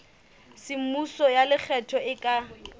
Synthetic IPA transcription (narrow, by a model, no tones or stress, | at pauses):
sɪm̩musɔjalɪk͡xʰɛtʰɔɪkʼa